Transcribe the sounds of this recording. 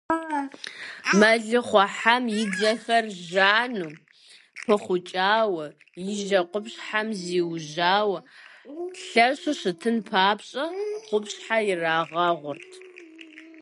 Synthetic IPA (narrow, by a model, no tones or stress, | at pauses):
mɐɮɨχʷɔħamjɪd͡zɐxɐrʒaːnuː | pʰɐχʷʊt͡ʃʼaːwɐ | jɪʒɐqʷʊpɕħamziːwʒaːwɐ | ɬɐɕʊɕɨtʰɨnpʰaːpɕʼɐqʷʊpɕħajɪraːʁɐʁʷʊrtʰ